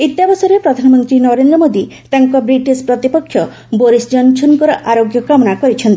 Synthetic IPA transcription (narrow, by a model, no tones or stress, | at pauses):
it̪ːjabɔsɔɾepɾɔd̪ʱanɔmɔnt̪ɾinɔɾend̪ɾɔmod̪i | t̪aŋkɔbɾiʈispɾɔt̪ipɔkʰːjɔ | boɾisd͡ʒɔnsʰɔnkɔɾɔʔaɾoɡjɔkamɔnakɔɾit͡ʃʰɔnt̪ii